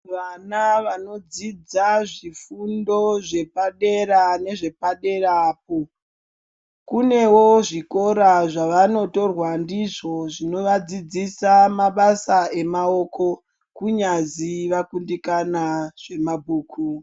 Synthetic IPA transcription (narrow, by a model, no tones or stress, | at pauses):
ʋanaʋano̞d͡zid͡zaʐifundo̞ʐe̞paɗe̞ɾane̞ʐe̞paɗe̞ɾaːp̚o | kune̞woʐiko̞ɾaʐaʋano̞to̞rwandiʐo̞ʐino̞ʋad͡zid͡zisamaɓasae̞mao̞ko̞ | kuɲaziʋakundikanaʐ̥e̞mabʱuːkʰu